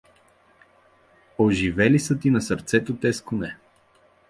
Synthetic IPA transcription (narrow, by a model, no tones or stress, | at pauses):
oʒivɛlisət̪inɐsəɾt̪sɛt̪ot̪ɛskʊnɛ